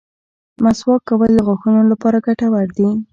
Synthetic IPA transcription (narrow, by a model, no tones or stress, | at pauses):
maswɑkːawəld̪əɣwaxunolapɑɾaɡaʈawaɽd̪i